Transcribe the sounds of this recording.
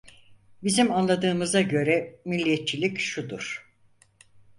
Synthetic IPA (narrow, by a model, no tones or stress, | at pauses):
bizimanlˠad̪ɯːmɯzaɟø̞ɾɛmilʲːijɛt̪̚t͡ʃʰilʲicʃud̪uɾ̥